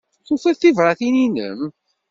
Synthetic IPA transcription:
θofæθivɾˤɑθininə̰m

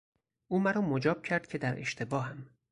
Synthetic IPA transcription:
ʔuːmæɾɒːmod͡ʒɒːb̥̚cʰæɾd̪̥̚cʰe̞d̪æɾe̞̰ʃt̪ʰe̞bɒːɦæm

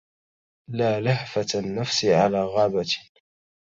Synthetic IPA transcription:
laːlaħfat̪anːafsɪʕalaːɣaːbat̪

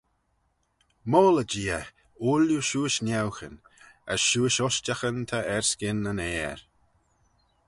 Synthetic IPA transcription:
moːləd͡ʒiːə | uljuʃuːəʃnʲawxə̰n | əsʃuːəʃɔstaxənt̪ʰaɛɹskɪnənɛːɹ

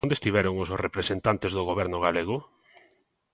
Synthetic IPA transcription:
nd̪est̪iβɛɾʊŋʊsosrepɾesent̪ant̪ezðoɣoβ̞ɛɾnʊɣ̞aleɣʊ

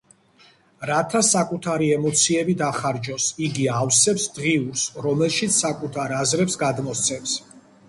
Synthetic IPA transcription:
ɾat̪ʰasakʼut̪ʰaɾiɛmɔt̪sʰiɛbid̪aχaɾd͡ʒɔsiɡiawsɛpsd̪ʁiuɾsɾɔmɛlˠʃit̪sʰsakʼut̪ʰaɾazɾɛpsɡad̪mɔst̪sʰɛms

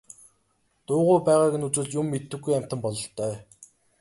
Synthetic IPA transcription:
t̪ʊːʁʊːpæːʁaːɣɘ̆nut͡sɘ̆ɮjʊmːet̪ːɘ̆xɡujæm̥ʲt̪ə̆mpɔɮɞ̆ɬt̪ʰœː

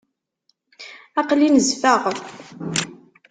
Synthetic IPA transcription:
ɑqlinəzfaʁə

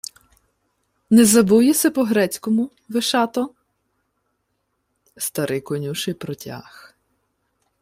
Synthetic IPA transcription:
nɛzɐbujesʲɐpɔɦɾɛt͡sʲkɔmʊ | ʋeʃɑt̪ɔ | st̪ɐɾʔɪjkɔnʲuʃɪjpɾɔtʲa̰x

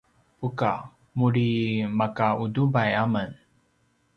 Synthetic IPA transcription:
puka | muɾimakaudubajamən

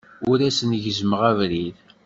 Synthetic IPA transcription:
ʊɾæsənʝəzəməʁævɾið

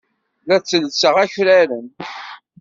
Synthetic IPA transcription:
læt͡sːəlsəʁæçɾæɾən

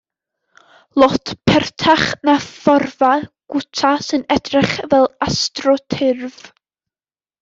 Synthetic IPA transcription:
lˠɔtʰpʰɛrtʰaχnafɔrvaɡ̥ʊtʰasɨnɛdrɪχvɛlˠastrɔtʰɪrv

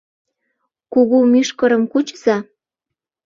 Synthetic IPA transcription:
kuɣumyʃkɤ̆ɾɤ̆mkut͡ɕz̥ɑ

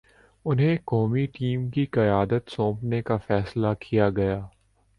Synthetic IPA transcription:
ʊnɦẽkɔːmiʈiːmkiqɐjaːd̪ət̪sõːpnekafɛːslakʰijaɡɐjaː

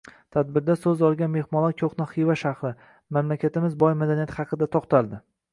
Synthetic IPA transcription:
t̪ʰad̪̚bɪɾd̪asɵzɒlˠɡʲanme̞hmɒlˠɒkʲʰoχnɪχijvaʃɑhɾɪ | mamlakʲat̪ɪmɪzbɒjmad̪aniat̪χɑqʰɨd̪at̪ʰɒqt̪ʰalˠd̪ɪ

